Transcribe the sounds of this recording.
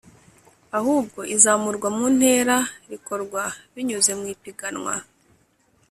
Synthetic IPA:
ahuːb̚ɡo̞ʔizaːmuɾɡwamun̥he̞ːɾaɾiko̞ɾɡwaβiɲuze̞mŋiːpiɡanŋwa̰

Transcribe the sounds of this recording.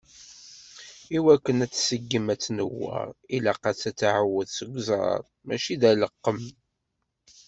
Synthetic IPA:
iwækːənæt͡sːsəɡːəmæt͡sːnəwːə̰ɾilæqæt͡sːæt͡sːaʕəwːəðsəɡʷzˤɑ̰ɾˤ | mæʃiðæləqːəm

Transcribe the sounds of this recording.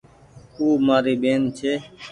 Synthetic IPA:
kuːmaːɾiːɓeːnt͡ʃʰeː

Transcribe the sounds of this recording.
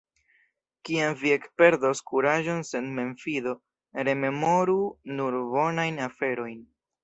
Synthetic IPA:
kiamviekpe̞ɾdoskuɾaʒo̞nse̞nme̞nfido̞ | ɾe̞me̞mo̞ɾunuɾbo̞najnafe̞ɾo̞jn

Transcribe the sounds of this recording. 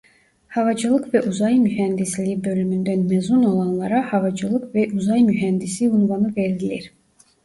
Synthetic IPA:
hɑvɑd͡ʒɯlˠɯkvɛʔuzɑjmyhænd̪islʲibø̞lymynd̪ænmæzuno̞lˠɑnlˠɑɾɑhɑvɑd͡ʒɯlˠɯkvɛʔuzɑjmyɦænd̪isiunvɑnɯveɾd̪ilḭɾ

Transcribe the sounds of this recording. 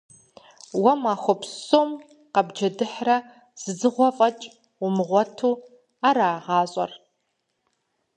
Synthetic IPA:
wɐmaxʷɔpʰsoːm | qɐbd͡ʒɐdɨħrɐ | z̥ɨzɨʁʷɔfʼɐt͡ʃʼ | ʊmɨʁʷɔtʰuː | aːɾaːʁɑːɕʷʼɐ̰r

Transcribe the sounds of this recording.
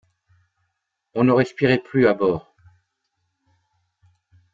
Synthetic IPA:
ɔ̃nəʁɛspiʁɛplyabɔːʁ

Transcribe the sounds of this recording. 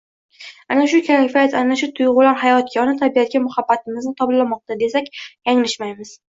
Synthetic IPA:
anaʃʊkʲʰalɪfijat̪anaʃʊt̪ʰʊjʁʊlanhajɒt̪̚kʰʲɒnɪt̪ʰabijat̪̚kʲamʊhabːat̪ʰɪmɪznɪt̪ʰɒblamɒq̚t̪ad̪e̞sakʲjaŋlɪʃmajmɪz̥

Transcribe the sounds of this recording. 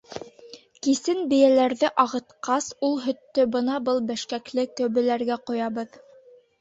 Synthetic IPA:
kisɘnbɘ̆jælæɾðɘʔɑʁɤ̆t̪qɑsulˠɦɵ̆t̪ːɵbɤnɑbɤlˠbæʃkæklɘkɵ̆wβɘ̆læɾɡæqŏjɑβɤð

